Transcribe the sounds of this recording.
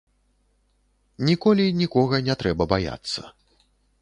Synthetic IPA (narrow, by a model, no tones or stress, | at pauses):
nʲikɔlʲinʲikɔɣɐnʲɛt̪ɾɛbɐbaja̰t̪sːɐ̰